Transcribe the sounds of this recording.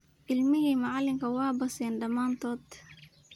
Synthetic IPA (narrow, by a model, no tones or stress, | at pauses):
ʔɪlmɪhimaʕalɪŋkɐwɑːbɐsɛnɖɐmaːnt̪ɔːt̪